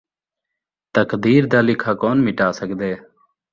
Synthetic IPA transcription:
t̪əkd̪iːɾd̪aːlɪkʰaːkoːnmɪʈaːsəkd̪eː

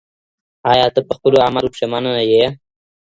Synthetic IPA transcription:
ɑjɑːt̪əpəxpəloamaɾupʂemananaje

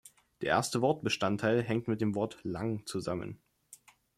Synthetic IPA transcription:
d̥eːɐʔḛːɐstəvɔɐt̚b̥əʃtantʰaɪlɦɛŋ̚tmɪt̚d̥eːmvɔɐtla̰ŋt͡suzamə̰n

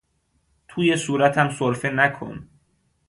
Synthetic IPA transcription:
t̪ʰuːje̞suːɾæt̪ʰæmsoɾfenækʰo̰n

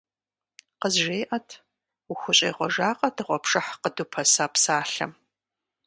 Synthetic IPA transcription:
qəzʒeːʔɐtʰ | uxʷʊɕʼḛːʁʷɔʒaːqʼɐdʰɨʁʷɔpʰʂʼɐħqədupʰɐsaːpsaːɬɐ̰m

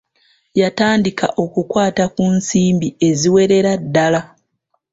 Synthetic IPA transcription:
jataːndika̰ʔo̞kukwaːtakunsiːmbie̞ziwe̞ɾe̞ɾadːala

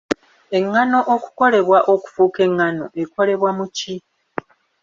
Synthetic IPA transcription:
e̞ŋːano̞ʔoku̥ko̞le̞βwaʔoku̥fuːke̞ŋːano̞ʔe̞ko̞le̞βwamuci

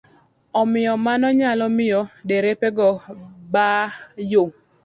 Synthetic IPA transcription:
ɔmɪjɔmanɔɲalɔmɪjɔdeɾepeɡɔbajo

